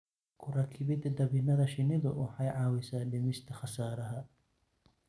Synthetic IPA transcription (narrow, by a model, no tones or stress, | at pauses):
kʰʊɾaːkʰɪβɪd̪ɐd̪ɐβɪnɐðɐʃɪnɪðʊwʊħɑjʕɑːwɪsaːɖɪmɪst̪ʰɐχɐsaːɾɐɦɐ